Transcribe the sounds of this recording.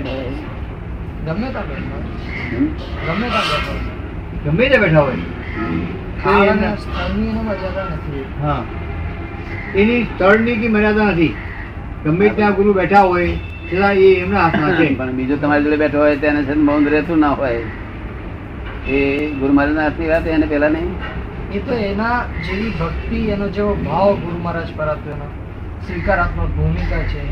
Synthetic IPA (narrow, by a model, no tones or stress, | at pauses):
ɡəmət̪aɡa | a | ɡəm | ɡəmjət̪aɡata | ɡəmbiɾt̪ãbɛʈʰaɦoe | a | kiamimaməɾjad͡zanəse | ɦã | t̪enist̪əɽnik̬iməɾjad͡zanəs̬iː | ɡəmːiːɾt̪jãɡuɾuːbɛʈʰaɦoe | t͡ʃʰelãeːmnaɦat̪ʰnaepəɳbid͡ʒot̪əmaɾed͡ʒoɭebɛʈʰoɦɔjt̪anet͡ʃʰenoməũnd̪ɾet̪ũnaɦoj | eɡʊɾumaɾad͡ʒaɦat̪niʋat̪ɦenepɛɦlanəɦĩ | et̪oenad͡ʒeʋibʱəkt̪ienod͡ʒeobʱaʋɡʊɾuməɾad͡ʒpəɾat̪oeno | sʋikaɾat̪mobʱumikat͡ʃʰe